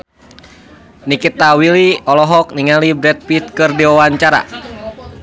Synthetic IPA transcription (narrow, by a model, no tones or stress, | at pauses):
nikit̪awiliɔlɔɦɔk̚niŋalibɾɛt̪̚pit̪̚kɨrdiwawaɲt͡ʃaɾa̰